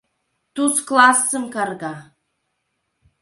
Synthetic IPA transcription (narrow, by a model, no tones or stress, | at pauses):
t̪usklˠɑsːə̆mkɑrɣɑ